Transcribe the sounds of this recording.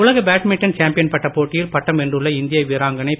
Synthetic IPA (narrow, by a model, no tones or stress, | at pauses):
ʊɭɐɣɐbaːʈmɪʈːɐnt͡ʃaːmpɪjɐnpɐʈːɐpoːʈːɪjɪlpɐʈːɐmɛndrɯɭːɐɪnd̪ɪjɐʋɪɾaːŋɡɐnɐɪ